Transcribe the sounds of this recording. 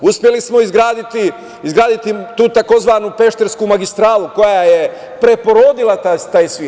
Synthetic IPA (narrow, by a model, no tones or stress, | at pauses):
uspʲje̞lismo̞izɡɾaːd̪it̪i | izɡɾaːd̪it̪it̪uːt̪ako̞zʋaːnupe̞ʃt̪eɾskumaɡist̪ɾaːluko̞jaje̞ | pɾe̞po̞ɾo̞d̪ilat̪at̪aːjsʋiː